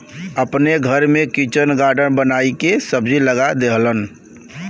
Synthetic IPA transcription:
əpneɡʱəɾmẽkit͡ʃənɡaːɾɖənbənaːikesəbd͡ʒiləɡad̪eɦlən

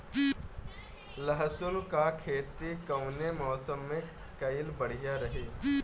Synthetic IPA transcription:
ləɦsʊlkakʰeːt̪ikəʊnemɔːsəmːẽ | kɐɪlbəɽ̤ijaɾɐɦeː

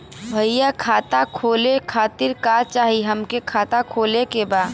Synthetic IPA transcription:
bʱəjakʰaːt̪akʰoːlekʰaːt̪ɪɾkat͡ʃaːɦiɦəmkekʰaːt̪akʰoːlekebaːd̪

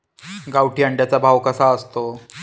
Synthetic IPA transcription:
ɡawʈiəɳɖjat͡sabʱaʋkəsaəst̪o

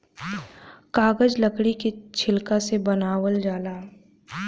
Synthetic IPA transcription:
kaːɡəd͡ʒləkɽikit͡ʃʰɪlkasebɐnaːwəld͡ʒaːlaː

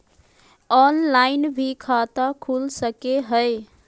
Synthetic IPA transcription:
ɔnlaɪnbʱikʰat̪akʰulsəkeɦəɪ

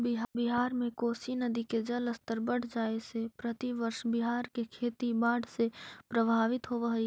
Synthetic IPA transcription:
bɪɦbɪɦaːɾmẽkoːsinəd̪iked͡ʒələst̪əɾbəɽ̤d͡ʒaːesepɾət̪iʋəɾʃbɪɦaːɾkekʰeːt̪ibaːɽʱsepɾəbʱaːʋɪt̪ɦoːʋəɦi

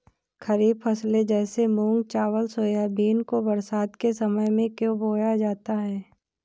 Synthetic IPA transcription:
kʰəɾiːbfʰɐsled͡ʒɛːsemũːŋɡ̚t͡ʃaːʋəlsoːjabʱiːnkobəɾsaːd̪kesɐməjmẽkjõbʱoːjad͡ʒaːt̪aɦɛː

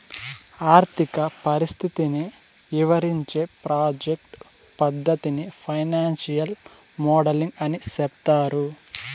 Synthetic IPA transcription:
aːɾt̪ʰikɐpɐɾist̪ʰit̪ini | ʋiʋɐɾiɲt͡ʃe̞ːpɾaːd͡ʒek̚ʈ | pɐd̪ːɐt̪inipʰɐjnaːnsijɐl | mɔːɖɐliŋɡɐnisɛp̚t̪aːɾu

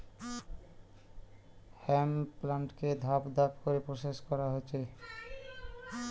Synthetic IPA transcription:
hɛmplaɳʈked̪ʱabd̪ʱabkoɾepɾoʃeʃkɔɾaɦoːt͡ɕʰe

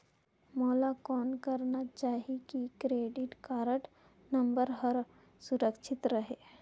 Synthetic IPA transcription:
mɔːlakɔːnkəɾnat͡ʃaːɦikikɾeːɖɪʈkaːɾəʈ | nɐ̃mbəɾɦəɾ | suɾəkʃʰɪt̪ɾəɦeː

